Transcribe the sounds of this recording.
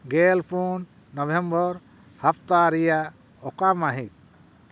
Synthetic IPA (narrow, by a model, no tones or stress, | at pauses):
ɡɛlpun | nɔbʱembɔɾ | hapʰt̪aɾija | ɔkamaɦit̪̚